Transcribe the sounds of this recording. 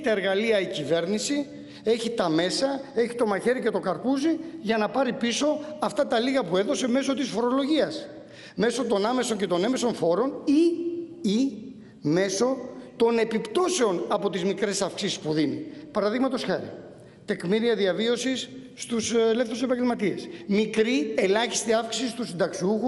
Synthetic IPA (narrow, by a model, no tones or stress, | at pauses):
it̪ɐeɾɣɐliɐicive̞ɾnisi | e̞çit̪ɐme̞sɐe̞çit̪o̞mɐçe̞ɾice̞t̪o̞kɐɾpuziʝɐnɐpɐɾipiso̞ɐft̪ɐt̪ɐliɣɐpue̞ðose̞me̞so̞t̪isfo̞ɾo̞lo̞ʝiɐs | me̞so̞t̪o̞nɐme̞so̞ɲce̞t̪o̞neme̞so̞nfo̞ɾo̞ni | i | me̞so̞t̪o̞ne̞pipt̪o̞se̞o̞nɐpo̞t̪izmikɾe̞sɐfksisi̥spuðinḭpɐɾɐðiɣmɐt̪o̞sxɐɾḭ | t̪e̞kmiɾiɐðiɐvio̞sisː | t̪uslefθusepɐɲɟelmɐt̪iesmikɾie̞lɐçi̥st̪iɐfksi̥sist̪usind̪ɐksiuxu